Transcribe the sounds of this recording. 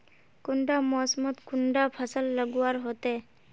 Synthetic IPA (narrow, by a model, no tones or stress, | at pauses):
kʊɳɖamɔsmət̪kʊɳɖapʰəsəlːəɡuwaɾɦot̪e